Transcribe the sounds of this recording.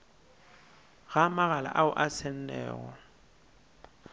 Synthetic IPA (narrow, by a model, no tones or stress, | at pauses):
ɣamaɣala̰ʔaʊʔasɛn̩nɛ̰ːɣɔ̰